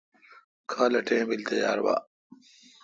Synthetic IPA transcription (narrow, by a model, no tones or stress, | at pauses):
kʰaːlɐʈẽːbilt̪ɐja̰ːɾwa̰ː